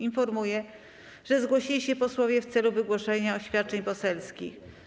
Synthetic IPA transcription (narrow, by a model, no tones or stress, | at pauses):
infɔɾmujɛ | ʐɛzɡwɔɕilʲiɕɛpɔswɔvʲjɛft̪sɛluvɘɡwɔʂɛɲaɔɕfʲjat̪̚t͡ʂɛɲpɔsɛlskʲḭx